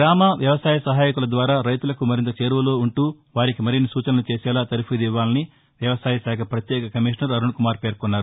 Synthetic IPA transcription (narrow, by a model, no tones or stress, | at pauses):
ɡɾaːmɐʋjɐʋɐsaːjɐsɐɦaːjikulɐd̪ʋaːɾaːɾɐjt̪ulɐkumɐɾint̪ɐt͡ʃe̞ːɾʋɐlo̞ːuɳʈuː | ʋaːɾikimɐɾinːisuːt͡ʃɐnɐnut͡ʃeːsɛːlaːt̪ɐɾupid̪iʋːaːlɐni | ʋjɐʋɐsaːjɐsaːkʰɐpɾɐt̪jɛːkɐkɐmiːʂnɐɾɐɾuɳkumaːɾpe̞ːɾkonːaːɾu